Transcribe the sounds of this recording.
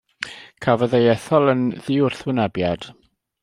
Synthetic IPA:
kʰavɔðejɛθɔlˠənðɪʊrθwɪnəbjad̥

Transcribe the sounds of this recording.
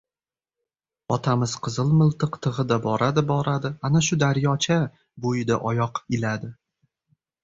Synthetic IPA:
ɒt̪ʰamɪz̥qʰɨzɨlˠmɨlˠt̪ɨqt̪ʰɨʁɨd̪abɒɾad̪ɪbɒɾad̪ɪanaʃʊd̪aɾjɒt͡ʃʰa | bojɪd̪aʔɒjɒqɪlad̪ɪ

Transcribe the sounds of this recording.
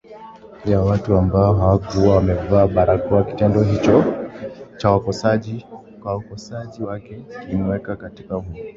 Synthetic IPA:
jawatuambaɔɦawakuwawamɛvaːɓaɾakɔaki̥tɛndɔɦit͡ʃɔ | t͡ʃawakɔsaʄi | kwaukɔsaʄiwakɛinɛwɛkakatikahuɔ

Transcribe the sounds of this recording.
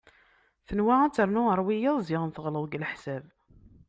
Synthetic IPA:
θənwaæt͡sːəɾˤnʊəɾˤwijiðˤzɪʁənθəʁləwɡlħsæv

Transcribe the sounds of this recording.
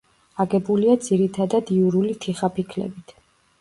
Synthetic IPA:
aɡɛbuliad̪z̥iɾit̪ʰad̪ad̪iuɾulit̪ʰiχapikʰlɛ̰bit̪ʰ

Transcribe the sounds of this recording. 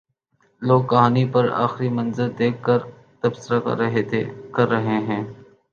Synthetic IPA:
loːɡkɐɦaːnipɐɾa̰ːxɪɾimɐ̃nzəɾd̪eːkʰːɐɾ | t̪ɐbsɪɾa̰ɦet̪ʰkɐɾːɐɦeɦɛ̃ː

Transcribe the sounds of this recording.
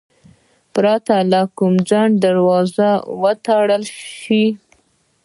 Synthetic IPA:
pɾɑt̪alakumd͡zaɳɖ̚d̪aɾwɑzawət̪aɽəlʃi

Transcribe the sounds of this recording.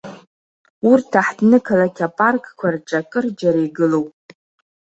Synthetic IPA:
urtʰaħdnɨkʰalakʲʰapʼarkʼkʷʰarʈ͡ʂʼakʼɨrd͡ʒaɾajɡɨlo̞wpʼ

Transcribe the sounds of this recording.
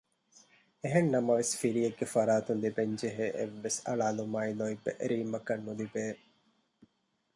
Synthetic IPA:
eɦenːɐmɐʋesfiɾijeɡːefɐɾaːt̪und̪ibeɲd͡ʒeɦeːʔḛʋːesɐ̰ɭaːlumaːinoibːḛʔɾiːmɐkɐnːud̪ibeː

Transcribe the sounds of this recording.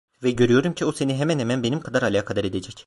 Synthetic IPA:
vɛɟø̞ɾyjo̞ɾumcʰiose̞niɦemænhemænbe̞nimkʰad̪aɾalʲaːkʰad̪aɾe̞d̪ed͡ʒɛc

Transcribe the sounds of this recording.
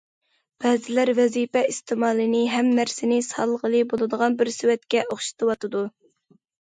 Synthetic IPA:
b̥ɛːzɪlæɾvɛzipɛist̪ʰɨmɑːlˠɨnɪɦɛmːæɾsɪnɪsɑlˠʁəlˠɨbolˠɨd̪əʁɑnbɪɾsywɛt̪kʲɛʔoχʃi̥t̪ʰɨwɑt̪ɨd̪u

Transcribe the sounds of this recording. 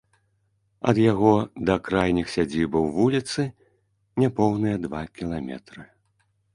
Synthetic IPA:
ɐ̰d̪jaɣɔd̪ɐkɾajnʲixsʲad͡zʲibɐwvulʲit̪sɨ | nʲɛpɔwnɨjɐd̪vakʲilˠamʲɛ̰t̪ɾɨ

